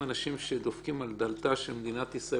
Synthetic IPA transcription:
anaʃimʃed̪ofkimald̪alt̪aʃelmed̪inat̪isʁa

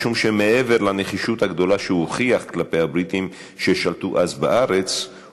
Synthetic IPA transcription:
ʃumʃemeʔe̞ve̞ʁlaneχiʃut̪haɡd̪o̞laʃehuχiaχklapejhabʁit̪im | ʃeʃalt̪uʔazbaʔaʁet͡s

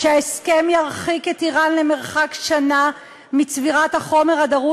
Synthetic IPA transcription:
ʃeaeskemjaʁχiketiʁanleme̞ʁχakʃana | mit͡sviʁathaχo̞meʁhadaʁu

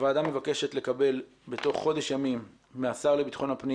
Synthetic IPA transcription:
vaːdamːe̞vake̞ʃet̪le̞kabe̞l | beto̞χːo̞de̞ʃjamimː | easaʁlebitχo̞napni

